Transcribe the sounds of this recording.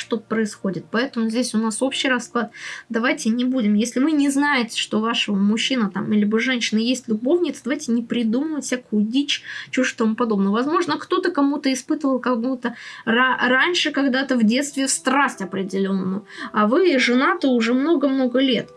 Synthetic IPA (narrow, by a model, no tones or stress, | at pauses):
ʂt̪opɾəɪsxo̞dʲɪt̪̚pɐɛt̪əmʊzʲdʲesʲʊnaso̞pɕːɪjrɐsklˠat̪d̪ɐvajtʲɪnʲɪbudʲɪmjesʲlʲɪvɨnʲɪznajɪtʲɪ̥ʂt̪o̞vaʂɨvəmʊɕːinət̪a̰milʲɪbɨʐɛnʲɕɪnəjesʲtʲlʲʊbo̞vnʲɪt̪səd̪ɐvajʲtʲɪnʲɪpɾʲɪd̪uməvəfʲsʲakʊdʲit͡ɕt͡ɕu̥t̪ɐmupɐd̪o̞bnəvɐzmo̞ʐnəkt̪o̞t̪əkɐmut̪əɪspɨt̪əvəlˠkɐmut̪əraranʲʂɨkɐɡd̪at̪əvdʲe̞t̪st̪vʲɪfst̪ɾasʲtʲɐpɾʲɪdʲɪlʲo̞nːəmʊavɨʐɨnat̪əʊʐɛmno̞ɡəmno̞ɡəlʲe̞t̪